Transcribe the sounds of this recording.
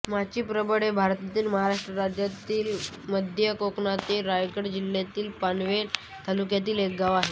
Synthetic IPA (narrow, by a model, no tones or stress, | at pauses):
mat͡ɕiːpɾəbəɽebʱaɾt̪at̪iːlməɦaɾaʂʈɾəɾad͡ʑjat̪iːl | məd̪ʱjəkokɳat̪eɾajkəɽd͡ʑilːjat̪iːlpanʋe | t̪ʰalukjat̪̬iːlek̚ɡaʋaɦe